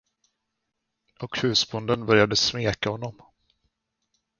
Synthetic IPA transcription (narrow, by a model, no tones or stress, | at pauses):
ɔkhʉ̟ːsbʊnd̪ənbœɾjad̪əsmeːkahɔnːɔm